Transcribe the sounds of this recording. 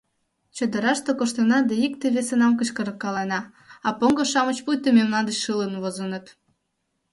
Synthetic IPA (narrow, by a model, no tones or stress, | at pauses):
t͡ɕə̆d̪ə̆ɾɑʃt̪okoʃt̪ənɑd̪ɑikt̪eβesenɑmkəɕkəɾə̆kːɑlenɑ | ɑpoŋɡŏʃɑmə̆t͡ɕpujt̪əmemnɑd̪ət͡ɕʃələnβozənə̆t̪